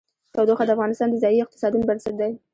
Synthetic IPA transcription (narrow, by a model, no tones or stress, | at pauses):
t̪awd̪oxad̪əafɣɑnɪst̪ɑnd̪əzɑjiɪq̚t̪ɪ̥sɑd̪unobaɾsat̪̚d̪aj